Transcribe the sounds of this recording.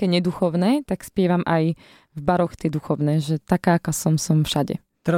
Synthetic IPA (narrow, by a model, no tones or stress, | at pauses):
kɛɲɛd̪uxɔʊnɛt̪akspɪɛʋamʔaj | vbaɾɔxt̪ɪɛd̪uxɔʊnɛːʒɛt̪akaːkasɔmsɔmfʃaɟɛ̰ | t̪ɾ